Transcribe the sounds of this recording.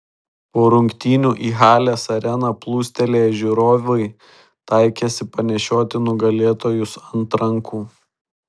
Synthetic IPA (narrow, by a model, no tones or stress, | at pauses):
poːɾʊŋʲkt̪ʲiːnʲuːʔiːɦɑːlʲɛːsɐɾʲɛnɐplˠuːsʲt̪ʲɛlʲeːjɛʒʲʊɾoːʋʲoɪ | t̪ɑɪkʲesʲɪpɐnʲɛʃʲoːt̪ʲɪnʊɡɐlʲeːt̪oːjʊsɐnt̪ɾɐŋkuː